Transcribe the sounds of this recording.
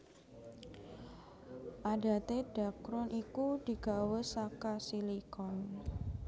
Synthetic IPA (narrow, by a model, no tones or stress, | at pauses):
ʔada̤t̪ed̥akɾʊnʔikud̥i̤ɡ̥a̤wəsakasilikɔn